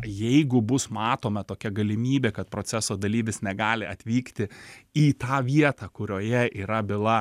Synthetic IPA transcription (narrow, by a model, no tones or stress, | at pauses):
jɛɪɡʊbʊsmɑːt̪oːmɐt̪oːkʲɛɡɐlʲɪmʲiːbʲeːkɐt̪̚pɾoːt͡ssʲɛsoːd̪ɐlʲiːʋʲɪsnʲɛɡɑːlʲɪɐt̪ʲʋʲiːkt̪ʲɪiːt̪ɑːʋʲiɛt̪ɑkʊɾʲoːjɛʔiːɾɐbʲɪlˠɐ